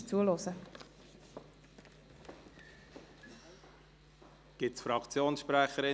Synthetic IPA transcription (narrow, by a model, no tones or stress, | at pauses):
t͡suəlosə | ɡ̥ɪtsfɾɑkt͡sjoːnsʃpɾæχəɾɪ